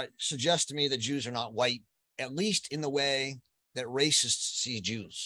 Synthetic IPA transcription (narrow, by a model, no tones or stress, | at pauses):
sɨɡ̚d͡ʒɛstmiðɨt̚d̥ʒ̥ʉzə˞nət̚waɪt̚ | ɨtˡlistʰɨ̃nðəweɪ | ðɨt̚ɹeɪsɨstsid͡ʒʉz̥